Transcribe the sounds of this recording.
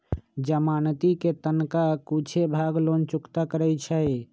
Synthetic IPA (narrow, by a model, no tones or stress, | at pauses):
d͡ʒəmant̪iket̪ənkakut͡ʃʰebʱaɡlont͡ʃukt̪akəɾɛt͡ʃʰə